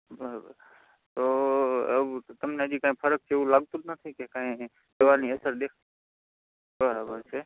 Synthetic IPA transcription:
bəɾabə̰ɾ | t̪oəʋt̪əmneəd͡ʒikãĩpʰəɾək̚t͡ʃʰeeũlaːɡ̚t̪ũnət̪ʰĩkekãẽ | d̪əʋaɾniəsəɾd̪ekʰ | bəɾabəɾt͡ʃʰe

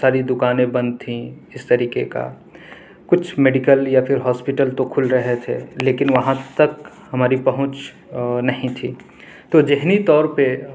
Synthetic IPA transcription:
saːɾid̪ʊkaːnẽbɐ̃nd̪t̪ʰːĩɪst̪əɾiːkeka̰ | kʊt͡ʃʰmeːɖikəljapʰɪɾɦɔːspɪʈəlt̪okʰʊlɾəɦet̪ʰḛleːkɪnʋɐɦãt̪ək | hɐmaːɾipɐɦʊ̃t͡ʃ | nɐɦĩt̪ʰḭː | t̪od͡ʒeɦnit̪ɔːɾpe

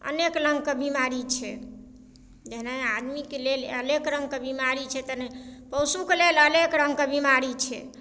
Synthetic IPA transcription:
ə̰nekləŋɡkebimaɾit͡ʃʰɛ̰ | d͡ʒeɦnajad̪mikeleləlekɾə̃ŋɡ̚kebimaɾit͡ʃʰɛt̪ənəpəwsukeleləlekɾə̃ŋɡkebimaɾit͡ʃʰɛ̰

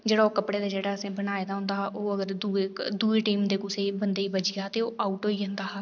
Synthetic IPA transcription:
d͡ʒeːɽaːoːkəpɽeːd̪aːd͡ʒeːɽaːəsẽːbənaːeːd̪aːɦʊ̃nd̪aːɦʔoːəɡəɾd̪ueːd̪uːeːʈiːmd̪eːkʊseːbənd̪eːiːbəd͡ʒɪɡaːt̪eːoːʔaːuʈɦoːiːə̃nd̪aːɦɛː

